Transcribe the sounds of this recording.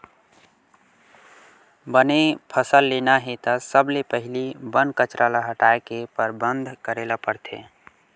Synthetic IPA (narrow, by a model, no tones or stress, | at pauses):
bənepʰəsəlːenaɦet̪əsəblepəɦɪlibənkət͡ʃɾʔalaɦəʈaekepəɾbənd̪ʱkəɾelapəɾt̪ʰḛ